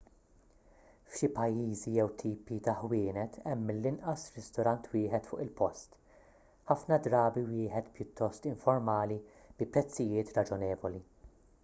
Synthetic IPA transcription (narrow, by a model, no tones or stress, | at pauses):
fʃɪpɐjːiːzijɛwt̪ʰiːpit̪ɐħwɪːnɛt̪ʰɛmːɪlːɪnʔɐsɾɪst̪ɔɾɐnt̪wɪːħɛt̪fʊ̰ːʔɪlpɔst̪ | ħɐfnɐd̪ɾɐːbiwɪːħɛt̪pjʊt̪ːɔst̪ɪɱfɔɾmɐːli | b̥ɪpɾɛt͡sːɪjɪːt̪ɾɐd͡ʒɔnɛːvɔli